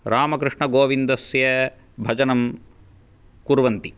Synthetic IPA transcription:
ɾaːmɐkɾɨʂɳɐɡoːʋind̪ɐsjɐ | bʱɐd͡ʒɐnɐm | kuɾʋɐnt̪i

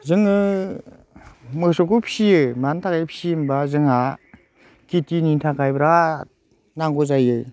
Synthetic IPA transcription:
zɯŋɯ | mɯsɔkupʰi̥sijɯmantʰakajpʰi̥simbazɯŋa | kitiniŋtʰakʰajbɾa | naŋɡɔzajɯj

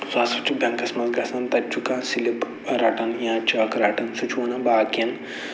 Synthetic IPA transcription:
zaːsɐt͡ʃubʲɐ̃ŋkɐsmɐt̪ɡɐsɐnt̪ɐt͡ʃukãːnsilip | ɾaːʈɐnjãːt͡ʃaːkɾaːʈɐnsut͡ʃunɐ̃baːkɐn

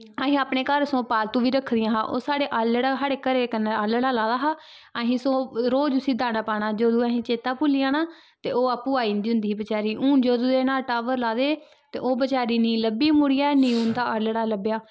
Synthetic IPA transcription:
aːɦĩːaːpneːkəɾsõːpaːlt̪ũːʋiːɾəkʰːd̪ɪjãːɦaːʔoːsaːɽeːʔaːlɽaːɦaɽeːkəɾeːkənəaːləɽaːlaːd̪aːɦaː | aɦĩːsõːɾoːd͡ʒʊsiːd̪aːnaːpaːɳaːd͡ʒoːd̪uːaːɦĩːt͡ʃeːt̪aːpʊlɪjaːnaː | t̪eːoːaːpːuːaːiːnd̪iːʊ̃nd̪iːiːbət͡ʃaːɾiːʔũːnd͡ʒoːd̪uːd̪eːnaːlʈaːʋəɾlaːd̪eː | t̪ḛːʔoːbət͡ʃaːɾiːnĩːləbiːmʊɽɪjaːnĩːũːnt̪aːʔələɽaːləbjaː

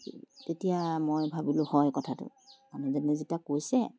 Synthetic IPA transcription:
tetijamojbʱabilʊhɔjkɔtʰatʊ̰ | manɛzanɛzitakojsɛ̰

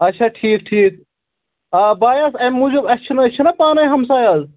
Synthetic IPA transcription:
ɐtːʃʰaːʈʰiːkʈʰiːk | ɐbaːjasɐmːud͡ʒubɐt͡ʃʰunɐɐt͡ʃʰunɐpaːnɐjɦɐmsaːjɐz

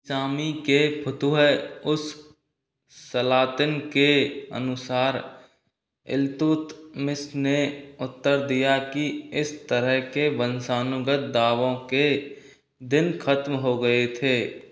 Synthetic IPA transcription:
saːmikepʰʊt̪uɦəʊs | əlaːt̪ɪnkeə̰nʊsaːɾ | ɪ̰lt̪ʊːt̪mɪsneʊt̪ːəɾd̪ijakiɪst̪əɾəɦkebənsaːnʊɡət̪̚d̪aːʋõke | d̪ɪnkʰət̪mɦoɡəet̪ʰeː

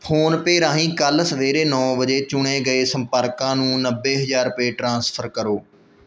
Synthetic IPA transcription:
pʰoːnpeːɾãːɦĩːkəlsəʋeːɾeːnɔ̃ːbəd͡ʒeːt͡ʃʊɳeːɡəeːsəmpəɾkãːnũːnəbːeːɦəzaːɾpeːʈɾãːspʰəɾkəɾoː

